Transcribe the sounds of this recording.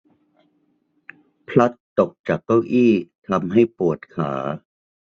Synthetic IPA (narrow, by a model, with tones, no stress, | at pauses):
pʰla˦˥t̪ːo˨˩k̚t͡ɕaː˨˩k̚ːa˥˩wʔiː˥˩t̪ʰa˧mɦa˥˩jpu˨˩ət̪̚kʰa̰ː˩˦